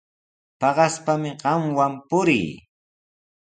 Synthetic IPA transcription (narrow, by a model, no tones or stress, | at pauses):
pɑɢɑspamɪɢɑmwampʊɾɪ̰j